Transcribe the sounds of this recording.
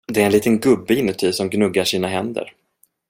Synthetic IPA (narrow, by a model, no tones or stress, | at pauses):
d̪ɛɾɛnliːt̪ənɡɵbːɪɪnːət̪ʰyːsɔmɡnɵɡaʂiːnaɦɛnd̪ə̰ɾ